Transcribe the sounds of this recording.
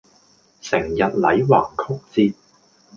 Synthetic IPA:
sɪ˨˩ŋjɐ˨t̚lɐ˨˥jwa̰ː˨˩ŋkʰʊ˥k̚t͡siː˧t̚

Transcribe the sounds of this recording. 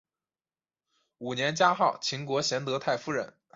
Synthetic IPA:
u˨˩njɛ˧˥nt͡ɕja˥xɑ˥˩ʊt͡ɕʰi˧˥ŋkwɔ˧˥ɕjɛ˧˥nt̪ɤ˧˥t̪ʰa˥˩ɪfu˥ɻə̰˧˥n

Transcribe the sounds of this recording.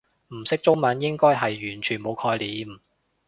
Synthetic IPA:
m̩˨˩sɪ˥k̚t͡sʊ˥ŋmɐ˨˥njɪ˥ŋkɔː˥jɦɐ˨jːyː˨˩nt͡ʃʰyː˨˩nmo˨˧wkʰɔː˧jliː˨˧m

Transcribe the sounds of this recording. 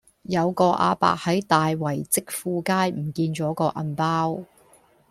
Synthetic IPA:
jɐ˨˧wkɔː˧ʔa̰ː˧pa̰ː˨k̚hɐ˨˥jt̪aː˨jwɐ˨˩jt͡sɪ˥k̚fuː˧kaː˥jm̩˨˩kiː˧nt͡ʃɔː˨˥kɔː˧ʔɐ̰˧npaː˥w

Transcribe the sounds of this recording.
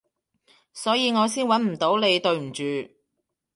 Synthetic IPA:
sɔː˨˥jiː˨˧ŋɔː˨˧siː˥nwɐ˨˥nm̩˨˩t̪o˨˥wle˨˧jt̪ɵ˧ɥm̩˨˩t͡ʃyː˨˧

